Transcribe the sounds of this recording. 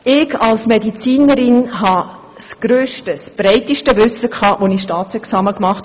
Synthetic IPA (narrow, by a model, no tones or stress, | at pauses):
ɪɡɑlsmɛdit͡siːnəɾɪnɦɑ | sɡ̥ɾøːʃtəsb̥ɾɛɪtiʃtəvʏsəkʰɑːʋonɪʃtɑːt̪t͡sɛksɑːməkmɑχt